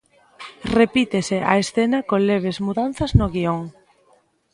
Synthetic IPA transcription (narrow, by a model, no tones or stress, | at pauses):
repit̪esea̰esθenakoŋleβ̞ezmuðan̟θɐznʊɣioŋ